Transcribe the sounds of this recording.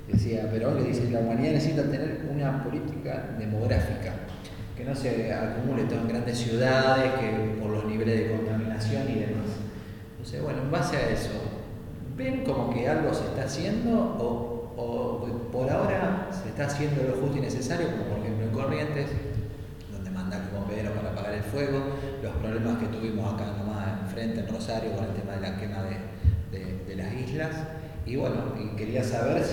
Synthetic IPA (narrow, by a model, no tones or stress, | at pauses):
d̪esiapeɾookeðiselaumaniðanesesit̪at̪eneɾunapo̞lit̪ika̰ðe̞mo̞ɣ̞ɾafika | ke̞no̞sea̰kumulet̪oeŋɡɾand̪esjuðaðehkepoɾlo̞zniβ̞e̞le̞ɦðeko̞nt̪aminasjo̞niðe̞mas | nt̪o̞nsḛβwenoembaseaeso̞̰ | beŋko̞mo̞kealɣo̞seht̪aːsje̞nd̪o̞ː | poɾao̞ɾaseht̪aːsje̞nd̪o̞lo̞xuht̪oinesesaɾjo̞komo̞poɾexemp̬loeŋko̞rje̞nt̪es | d̪ond̪emãnd̪akomopeðeɾopaɾapaɣaɾelfweɣo̞lo̞hpɾo̞βlemasket̪uβimosakaet̪omaeɱfɾe̞nt̪eːnro̞saɾjo̞konelt̪emaðe̞lakemaðe | ðeðe̞lasizlas | iβweno̞ike̞ɾiasaβeɾs